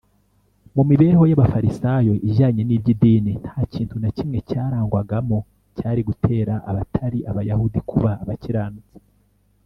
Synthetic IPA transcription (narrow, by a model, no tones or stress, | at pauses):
mumiβe̞ːho̞jaβafaɾisajo̞ʔiʒaːɲe̞niːbɟidiːnin̥haːciːntunacimŋe̞caːɾaːŋɡwaɡamo̞ | caːɾiɡutʰe̞ːɾaʔaβatʰaɾiʔaβajahudikʰuβaːβaciɾaːnut͡se̥